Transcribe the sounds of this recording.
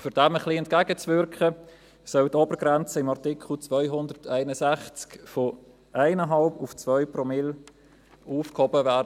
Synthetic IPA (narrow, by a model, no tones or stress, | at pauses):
fyɾdɛməχliɛntkæɡət͡svʏɾkχə | sœltɔbəɾɡ̥ɾɛnt͡səɪmɑʁtɪkχl̩t͡svœʏɦʊndəɾtʰæɪnəsæχt͡skfɔ | ʔaɪnəɦɑlbuft͡svœʏpɾɔmɪl | uːfkhɔbəvæːɾdə